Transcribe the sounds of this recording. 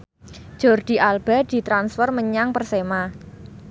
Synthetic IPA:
ʒ̥ɔ̤rɖ̪̥i̤ʔalb̥a̤d̪̥i̤t̪ɾansfərməɲaŋpərsema

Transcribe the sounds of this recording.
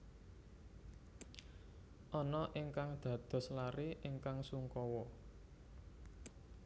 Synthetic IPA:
ʔɔnɔʔiŋkaŋd̪̥ä̤d̪̥ɔ̤slaɾiʔɪŋkaŋsuŋkɔwɔ

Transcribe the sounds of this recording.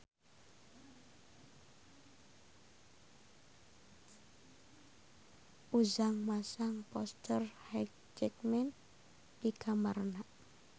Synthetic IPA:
ʔuzaŋmasaŋpɔst̪ərhɛk̚ | d͡ʒɛkmɛn | dikʰamarnaʔ

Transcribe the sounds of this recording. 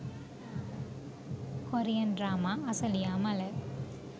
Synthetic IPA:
kɔɾɪjɐnɖɾaːmaːɐsɐlɪjaːmɐlɐ

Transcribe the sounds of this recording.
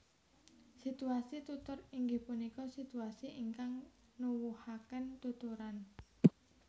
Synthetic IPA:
sit̪uasit̪ut̪ʊriŋɡɪhpunikɔsit̪uasiʔiŋkaŋ | nuwuhakənt̪ut̪uɾan

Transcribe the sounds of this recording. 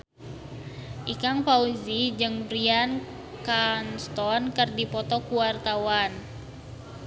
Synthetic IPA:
ʔikaŋpauzid͡ʒɨŋbɾian | kanst̪ɔnkɨrdipɔt̪ɔkuwart̪awan

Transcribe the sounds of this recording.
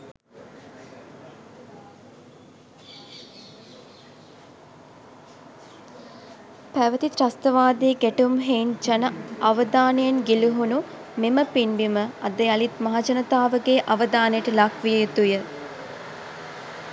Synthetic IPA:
pæʋət̪it̪ɾɐst̪əʋaːd̪eːɡæʈumɦeind͡ʒɐnɐɐʋəd̪aːnejenɡiluɦunumeməpinbiməɐd̪ealit̪mɐɦad͡ʒɐnɐt̪aːʋəɡeːʔɐʋəd̪aːnejəʈəlakʰʋijəjut̪ujə

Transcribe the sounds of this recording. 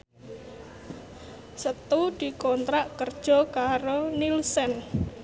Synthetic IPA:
sət̪ud̪̥i̤kɔnt̪ɾaʔkərd̥ʒ̥ɔ̤kaɾonilsən

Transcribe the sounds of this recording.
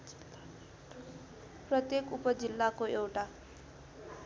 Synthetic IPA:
prʌt̪jekupʌd͡zilːakoewʈa

